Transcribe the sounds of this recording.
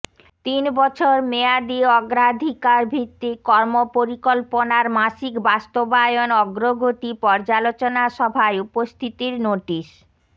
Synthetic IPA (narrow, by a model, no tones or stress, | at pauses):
t̪inbɔt͡ɕʰoɾmead̪iɔɡɾad̪ʱikaɾbʱit̪ːikɔɾmopoɾikolponaɾmaʃikbast̪obajonɔɡɾoɡʱot̪ipɔɾd͡ʑalot͡ɕonaʃɔbʱaeupost̪ʰit̪iɾnoʈiʃ